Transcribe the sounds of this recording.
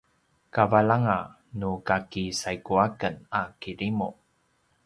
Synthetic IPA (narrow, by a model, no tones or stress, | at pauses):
kavalaŋa | nukakisajkuakənakiɾimu